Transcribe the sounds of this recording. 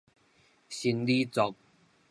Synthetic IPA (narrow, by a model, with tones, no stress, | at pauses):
ɕi˧˦nli˦t͡sɔ˨˦k̚